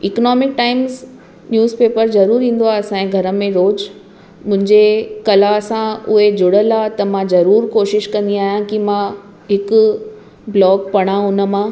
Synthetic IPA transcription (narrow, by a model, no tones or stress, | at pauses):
ɪknɔːmɪk̚ʈaːɪmz | njuːzpeːpəɾzɐɾuːɾĩːn̆d̪oaːɐsãːẽɡʱɐɾə̆mẽɾoːd͡ʑ | mʊ̃ɦɪ̃ɲd͡ʑekɐlasãʊɦed͡ʑʊɽəlat̪ɐmãzɐɾuːɾkoːʃɪʃkɐ̃nd̪iaːɦijãkimã | ɦɪkʊ | blɔːɡ̚pɐɽ̃ãʊnə̆mã